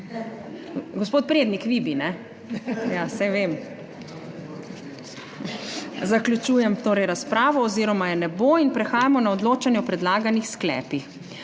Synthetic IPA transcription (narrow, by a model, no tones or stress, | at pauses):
ɡospoːt̪̚pɾeːd̪nikʋibinɛ | jasɛʋem | zakljut͡ʃuːjɛmt̪oːɾɛjɾaspɾaːʋɔːziːɾɔmajɛnɛboinpɾɛxaːjamɔnaɔd̪loːt͡ʃanjɛɔpɾɛd̪laːɡanixsklɛ̰ːpix